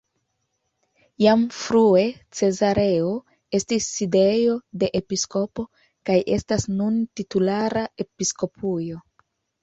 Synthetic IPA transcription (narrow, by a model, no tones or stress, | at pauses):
jamfɾue̞t͡se̞zaɾe̞o | e̞stisːide̞jo̞de̞ʔepisko̞po̞ | kajʔe̞̰stasnuntitulaɾae̞pisko̞pujo̞